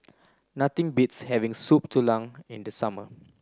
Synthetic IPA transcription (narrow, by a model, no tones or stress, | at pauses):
nat̪ĩŋbitshɛvĩŋsup̚tʰulãŋĩndəsamə̰